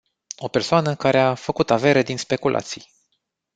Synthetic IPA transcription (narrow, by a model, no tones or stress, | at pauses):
o̞pe̞rsoanəkaɾeafəkut̪ave̞ɾed̪inspe̞kulʔa̰t̪sij